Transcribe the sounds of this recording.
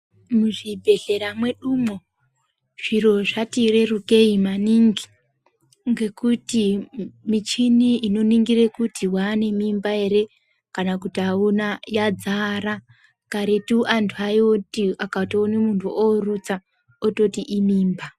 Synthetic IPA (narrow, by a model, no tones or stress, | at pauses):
muʐibʱe̞ɬe̞ɾamwe̞ɗumo̞ | ʐ̥iɾo̞ʐatire̞ruke̞imaniŋɡi | ŋɡe̞kutimit͡ʃiniino̞niŋɡirekutiwane̞mimbae̞ɾe̞ | kanakutiaunajad͡zaɾa | kaɾetuʔantʰuajotiakatoːnimuntʰuʔorut͡sa | oto̞tiʔimiːmba